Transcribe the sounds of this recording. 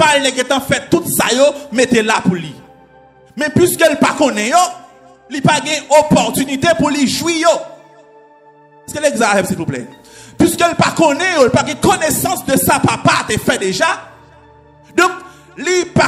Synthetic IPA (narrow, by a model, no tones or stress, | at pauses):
palnɛɡɛ̃t̪ãfɛt̪ːut̪sajomet̪elapuli | mɛ̃pɥiskølpakɔ̃nɛ̃jo | lipaɡɛ̃opɔʁt̪ynit̪epuliʒwijo | skeleɡzafɛpsipoplɛ̰ | pɥiskølpakɔ̃nɛ̃jolipaɡɛ̃konesɑ̃sd̪əsapapat̪efɛd̪eʒa | d̪ɔ̃k̚ | lipa